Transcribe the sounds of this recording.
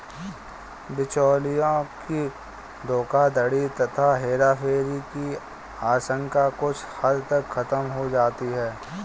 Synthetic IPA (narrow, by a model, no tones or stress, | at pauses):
bɪt͡ʃoːlijõki | d̪oːkad̪əɽit̪ɐt̪ʰaɦeːɾaːfʰeːɾiki | aːʃə̃ŋkakʊt͡ʃʰhɐd̪t̪ɐkxɐt̪əmɦod͡ʒaːt̪iɦɛː